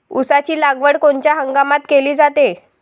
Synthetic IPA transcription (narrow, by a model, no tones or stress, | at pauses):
usat͡ɕiːlaɡʋəɽkoɳt͡ɕjaɦəŋɡamat̪keliːd͡zat̪e